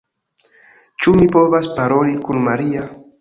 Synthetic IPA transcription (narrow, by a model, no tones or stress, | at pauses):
t͡ʃumipo̞vaspaɾo̞likunmaɾia